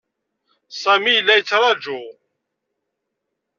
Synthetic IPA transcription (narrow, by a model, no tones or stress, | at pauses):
sæmijəlːæjət͡sːɾˤɑd͡ʒʊ